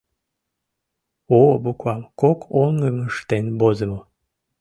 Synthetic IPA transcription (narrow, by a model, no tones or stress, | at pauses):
obukwɑmkokʰoŋːəməʃt̪enbozəmo